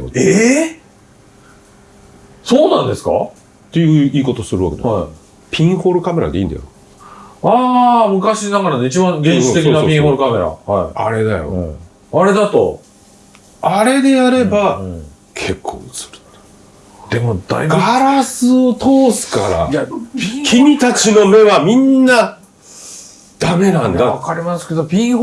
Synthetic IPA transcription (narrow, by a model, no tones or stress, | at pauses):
oe | so̞ːnãnd̪e̞sɨ̥ka̰ | t̪ːe̞jɯiːko̞t̪osɨɾɯβake̞d̪aai | pʲĩɰ̃hoːɾɯ̟kame̞ɾa̰d̪eḭ̃ːnd̪a̰jo | aːmɯ̟kaɕinaɡaɾanoit͡ɕibãŋɡẽɲit̪e̞k̬ʲːnapʲĩɦoːɾɯ̟kame̞ɾa̰haia̰ɾe̞d̪ajo̰ | aɾe̞d̪at̪o̞̰ | aɾe̞d̪e̞jaɾe̞ba | kʰe̞kʰːo̰ːɯt͡sɨ̥ɾɯ̟̥t̪ | d̪̥e̞mod̪̥a̰iɡaɾasɨot̪ʰoːsɨ̥ka̰ɾa̰japʲĩkʰʲiɲ̟it̪akino̞me̞βamʲĩnːa | d̪̥ame̞nãnd̪aβakaɾʲimasɨ̥ke̞d̪o̞pʲĩɰ̃ho